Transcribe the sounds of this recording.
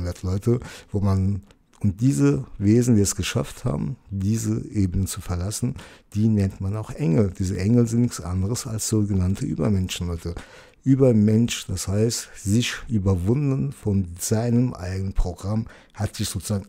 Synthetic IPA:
ndɐtlɔʏtəvoːman | ʔʊnt̚d̥iːzəveːzn̩diːɛsɡ̥əʃa̰ftha̰ːbm̩diːzəʔeːbənənt͡sufɛɐlasn̩d̥iːnɛntmanaʊxʔɛŋl̩d̥iːzəʔɛŋl̩zɪntnɪçsʔa̰ndəʁəsa̰lsz̥oːɡənantʰəʔy̰ːbɐ̰mɛnʃn̩lɔʏtʰə | ʔyːbɐmɛnʃd̥ashaɪstz̥ɪçʔyːbɐvʊndənfɔnz̥aɪnəmʔa̰ɪɡənənpʁ̥oɡʁam | hatz̥ɪçz̥oːt͡suz̥aːɡ

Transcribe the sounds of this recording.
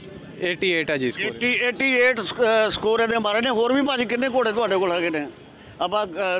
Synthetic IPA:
eːʈiːeːʈɛːd͡ʒiːseːʈiːeːʈiːeːʈsə̥koːɾɛ̃ːd̪ẽːmaːɾeːnẽːɦoːɾʋiːpãːd͡ʒkɪnːẽːk̬oːɽeːt̪ʊaːɖeːkoːlɦɛːkɪnẽː | əpãː

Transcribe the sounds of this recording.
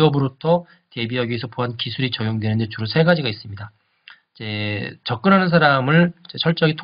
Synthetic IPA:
ʌbɯɾotʰʌ | te̞biʌɡiesʰʌpoɦankisʰuɾit͡ɕʌɡjoŋdwe̞nɯnde̞t͡ɕuɾosʰe̞ɡad͡ʑiɡais͈ɯmɲida | id͡ʑe̞t͡ɕʌk͈ɯnɦanɯnsʰaɾamɯɭid͡ʑe̞t͡ɕʰʌɭt͡ɕ͈ʌɡitʰ

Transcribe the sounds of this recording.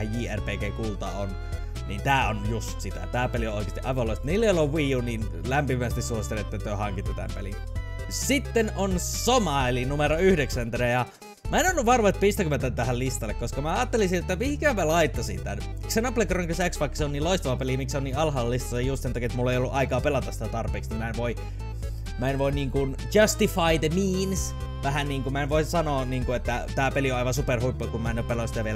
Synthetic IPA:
æjjiːærpeːkeːkuːlt̪ɑ̰on | nḭːnt̪æːonjust̪sit̪æ̰t̪æːpelioʔoˑikest̪iʔɑ̰iʋɑlːoˑist̪niːlːeˑoloʋʋiːjuniːn | læmpimæst̪issuosi̥t̪eleet̪ːet̪øøhɑŋkit̪ːæt̪æ̰mpḛlḭn | sit̪ːenonsomɑelinumeɾoyhdeksænt̪rejɑ | mæenonːuʋʋɑrʋoet̪pist̪ækymæt̪ːænt̪æhællist̪ɑlːekoskɑmæɑːt̪ːelisinet̪ːæmihikæmælɑit̪ːɑsint̪æ̰n | iksenɑplekroŋkysæksʋɑˑikːɑ̥seoniːloist̪ɑʋɑpelimiksoniːɑlɦɑːllist̪ɑlejjust̪sent̪ɑkiet̪mulːeˑijolːuʔɑikɑːpelɑt̪ɑsit̪æt̪ɑrpeːksnimæenʋoi | mæenʋoinniːŋkun | tɑst̪ifɑid̪emiːns | ʋæhænniːŋkumæenʋoissɑnoːniːŋkuet̪ːæt̪æːpelioɑˑiʋɑsuperhuipːɑkummæˑenoppelosit̪æʋiel

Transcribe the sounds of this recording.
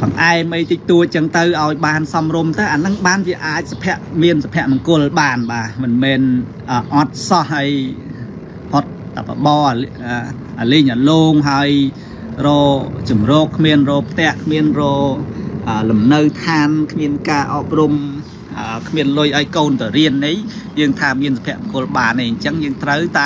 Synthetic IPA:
pʰɑŋʔaɛmɨjt̪it̪uəc̚t͡ɕəŋt̪ɨwʔaɔjɓaːnsɑmrumt̪ɨwʔaːnɨŋɓaːnʋiəʔaːc̚sapʰɛ̆əʔmiənsapʰɛ̆əʔmɑŋkʊ̆əlɓaːnɓaːmɨnmɛːn | ʔəːʔɑt̪̚sɑhɦaəj | pʰot̪̚ːapːaɓɑː | ə | ʔaliːɲʔaloːŋɦaəj | rɔːt͡ɕumrɔːkʰːmiənrɔːpʰt̪ɛ̆əʔkʰmiənrɔːʔəːlumnəwt̪ʰaːnkʰmiənkaːʔɑːp̚rum | ʔəːkʰmiənlʊjʔaɔjkoːnt̪awriənʔej | jəːŋt̪ʰaːmiənsapʰɛ̆əʔmɑŋkʊ̆əlɓaːneːɲt͡ɕəŋjəːŋt̪rəwt̪a

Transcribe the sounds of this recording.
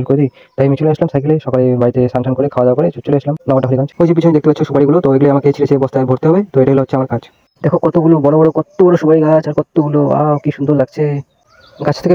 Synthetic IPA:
lkoɾed̪ij | t̪ajamit͡ɕoleaslamsajkeleʃɔkalebaɾit̪esaŋʃankoɾekʰawad̪akoɾet͡ɕot͡ɕoleasʰlamnamaʈakʰoɾiɡat͡ɕʰe̥ojd͡ʑʰibit͡ɕʰɔmed̪ekt̪epatːt͡ɕʰoʃubaɽiɡulot̪ɔeɡuleamaket͡ɕʰilet͡ɕʰebɔst̪ʰaebʱoɾt̪eɦɔbet̪oeʈaɡuloɦotːɕʰeamaɾkad͡ʑ | d̪ɛkʰokɔt̪oɡulobɔɽobɔɽokɔt̪ːobɔɾoʃubaɽiɡat͡ɕaɾkɔt̪ːoɡuloa̰kiʃund̪oɾd̪akt͡ɕʰe | ɡat͡ɕʰt̪ʰeke

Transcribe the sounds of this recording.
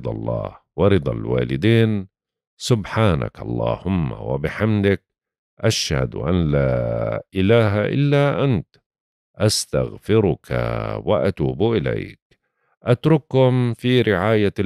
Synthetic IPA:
d̪ˤɑlˤːɑ̰ːh | wɑɾɨd̪ˤɑlwa̰ːlɪd̪iːn | sʊbħaːna̰kʔɑlˤːɑːhʊmːa̰wɪ̰bɪħamd̪ɪk̚ | ʔaʃha̰d̪ʔanlaːʔɪlaːɦaʔɪlːaʔant̪ | ʔast̪aɣfɪɾʊkʰa̰wɪ̰ʔat̪uːbʔɪla̰jk | ʔat̪ɾʊkhʊmfiɾɪʕaːja

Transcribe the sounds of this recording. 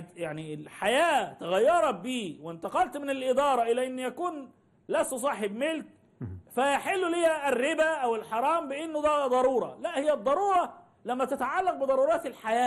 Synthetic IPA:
d̪jaʕnilħajæːt̪aɣæjːɑɾˤɑbiːwɪnt̪ɑqɑlt̪mɪnɪlʔɪd̪ɑːɾˤɑʔɪlæːʔɪnːjækuːn | læsːus̬ˤɑːħebmɪlt̪̚ | fæjaħɪlːulɪjærːɪbæʔæwɪlħɑɾˤɑːmbɪʔɪnːʊd̪æːd̪ˤɑɾˤuːɾˤɑ̰læʔhɪjːæd̪ˤːɑɾˤuːɾˤɑ | læmːæt̪æt̪aʕalːɑq̚bɪd̪ˤɑɾˤuːɾˤɑːt̪ɪlħajæː

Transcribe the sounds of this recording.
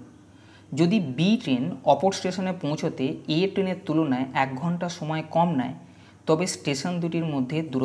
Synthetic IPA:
d͡ʑod̪ibiʈɾenɔpoɾsʈeʃonepõw̃t͡ɕʰot̪eeʈɾeneɾt̪ulonaeʔɛk̚ɡʱɔɳʈaʃɔmɔekɔmna̰e | t̪ɔbesʈeʃond̪uʈiɾmod̪ʱːed̪uɾo

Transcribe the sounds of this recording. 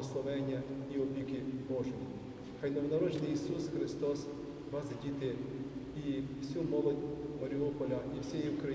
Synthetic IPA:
ɔslˠɔʋɛnʲːɐiɔbʲikɪbɔʒʊtʲ | xajnɔwnɐɾɔd͡ʒenɪjisusxɾɪst̪ɔs | ʋɑsdʲit̪ɪiw̥sʲumɔlˠɔdʲmɐɾʲiɔpɔlʲɐiwsʲɛjiwkɾɐ

